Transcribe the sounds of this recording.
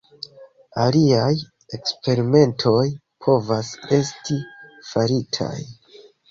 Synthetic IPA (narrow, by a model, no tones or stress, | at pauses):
aliaj | e̞kspe̞ɾime̞ntʰo̞j | pʰo̞vase̞stifaɾitʰa̰j